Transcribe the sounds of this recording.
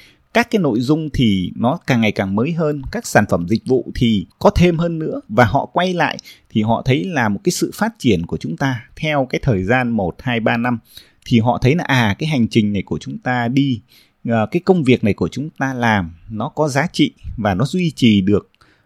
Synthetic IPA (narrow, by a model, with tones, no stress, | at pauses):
kaː˦˥kːaː˨˦jno̰˧˨jzʊ˧ŋ͡mt̪ʰi˨˩nɔ˨˦kaː˨˩ŋːa˨˩jkaː˨˩ŋməː˨˦jɦəː˧nkaː˦˥k̚saː˧˩nfə˧˩mzï˨˩k̟̚vṵ˧˨t̪ʰi˨˩kɔ˨˦t̪ʰe˧mɦəː˧nːɨ̰˧˥əvaː˨˩ɦɔ̰˧˨kwa˧jla̰ː˧˨jt̪ʰi˨˩ɦɔ̰˧˨t̪ʰə˨˦jlaː˨˩mo˨˩t̚kaː˨˦jsɨ̰˧˨faː˦˥t̚t͡ɕi˧˩ənku˧˩ət͡ɕʊ˨˦ŋ͡mt̪aː˧t̪ʰɛ˧wkaː˨˦jt̪ʰəː˨˩jzaː˧nmo˨˩t̚haː˧jɓaː˧na˧m | t̪ʰi˨˩ɦɔ̰˧˨t̪ʰə˨˦jnɔ˨˦ʔaː˨˩kaː˨˦jɦa˨˩jŋ̟t͡ɕï˨˩ŋ̟na˨˩jku˧˩ət͡ɕʊ˨˦ŋ͡mt̪aː˧ɗi˧ | ʔːkaː˨˦jkə˧wŋ͡mvi˨˩ək̚na˨˩jku˧˩ət͡ɕʊ˨˦ŋ͡mt̪aː˧laː˨˩mnɔ˨˦kɔ˨˦zaː˨˦t͡ɕḭ˧˨vaː˨˩nɔ˨˦zwi˧t͡ɕi˨˩ɗɨ˨˩ək̚